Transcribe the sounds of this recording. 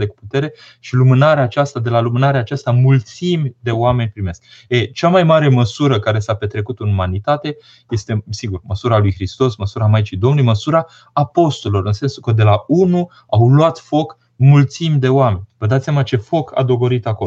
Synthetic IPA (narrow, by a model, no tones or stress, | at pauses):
d̪eku̥put̪e̞ɾe̞ | ʃilumɨnaɾeaːt͡ʃast̪ad̪e̞lalumɨnaɾeaːt͡ʃast̪amult̪simʲd̪e̞owame̞nʲpɾime̞sk̚et͡ʃamajmaɾe̞məsuɾəkaɾe̞sape̞t̪ɾe̞kut̪ɨnumanit̪at̪e̞ | je̞st̪e̞siɡurməsuɾalujxɾist̪o̞sməsuɾamajt͡ʃid̪o̞mnulujiməsuɾaː | po̞st̪olo̞ɾɨnse̞nsukəd̪e̞launu | awloat̪fo̞k | mult̪simʲd̪e̞oame̞nʲvəd̪at̪sʲamat͡ʃe̞fo̞kʰa̰d̪o̞ɡo̞ɾit̪ako